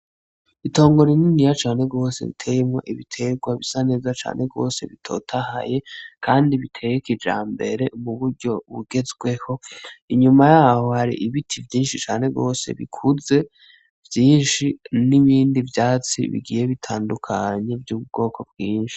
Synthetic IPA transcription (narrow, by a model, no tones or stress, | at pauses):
ito̞ːŋɡo̞ɾininijat͡ʃaːne̞ɡo̞ːse̞̰βḭtʰe̞jemŋo̞ʔiβitʰeɡwaβisane̞ːzat͡ʃa̰ːnʔe̞ɡo̞̰ːse̞̰βitʰo̞̰ːtʰaha̰je̞kʰaːndiβitʰe̞ːjekid͡ʒa̰ːmbe̞̰ɾe̞umuβuɾɟo̞βuɡe̞zɡwe̞ho̞iɲumajaːho̞haɾḭʔiβitʰivjiːnʃit͡ʃaːne̞ɡo̞̰ːse̞̰βḭkʰuze̞ | vjiːnʃiniβiːndivjaːt͡sḭβḭɡiːje̞βitʰaːndukʰaɲe̞vjuːβubɡo̞ːkobɡwiːnʃi̥